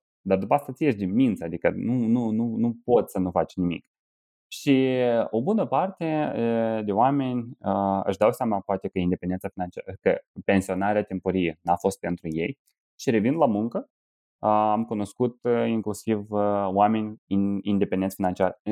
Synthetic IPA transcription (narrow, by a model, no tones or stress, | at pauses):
d̪ard̪upaast̪at̪sije̞ʃ̬d̪inmint̪səad̪ikənunununupo̞t̪sənufat͡ʃnimḭk | ʃio̞bunəpart̪e̞d̪e̞oame̞nʲəɨ̰ʃd̪awsjamafoat̪e̞kəind̪epend̪ensafinant͡ʃakəpe̞nsio̞naɾeat̪e̞mpoɾijenafo̞st̪̚pe̞nt̪ɾuje̞̰j | ʃiɾe̞vind̪lamuŋkə | amkuno̞skut̪iŋklusivoame̞nʲiind̪e̞pe̞nd̪esfinant͡ʃiar